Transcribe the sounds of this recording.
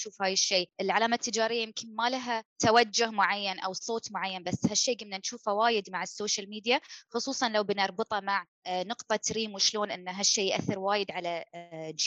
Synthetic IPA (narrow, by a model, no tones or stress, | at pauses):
ʃuːfhaːjɪʃːeːʔɪlʕalaːmat̪ːɪd͡ʒaːɾɪjːajɪmkɪnmalaɦat̪awad͡ʒːʊhmʊʕajːanʔa̰wsˤoːt̪ˤmʊʕajːanbasːhaʃːeːɡamnanʃuːfawaːjɪd̪maʕɪsːoːʃalmiːd̪jaxʊsˤuːsˤɑnlawbɪnɑɾˤbɨt̪ˤɑmaʕ | nʊqt̪ˤɑt̪ɾiːmwɪʃloːnʔɪnːaɦaʃːeːjʔa̰θːɪɾwaːjɪd̪ʕalad͡ʒ